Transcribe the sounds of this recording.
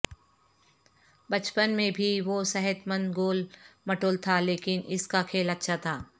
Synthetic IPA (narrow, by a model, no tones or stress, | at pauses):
bɐt͡ʃpənmẽbʱiʋosɛɦət̪mə̃nd̪ɡoːlmɐʈoːlt̪ʰaleːkɪnɪskakʰeːlɐtːʃʰat̪ʰaː